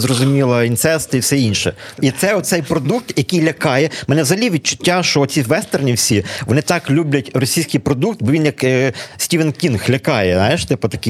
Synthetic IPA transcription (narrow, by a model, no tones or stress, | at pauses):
zrɔzʊmʲilˠɐint̪sɛst̪ɪiwsɛinʃɛit̪sɛɔt̪t̪sɛjpɾɔd̪uk̚t̪jɐkɪjlʲɐkɑjɛmɛnɛzɦɐlʲiʋʲid̚t͡ʃʊ̥tʲːaʃt͡ʃɔsʲiʋɛst̪ernʲiwsʲiʋɔnɪt̪ɑklʲublʲɐtʲrɔsʲijsʲkɪjpɾɔd̪uk̚t̪̚bɔʋʲinjɐksʲtʲiʋenkʲinxlʲɐkɑjɛznajɪʃt̪ɪpʊt̪ɐkɪ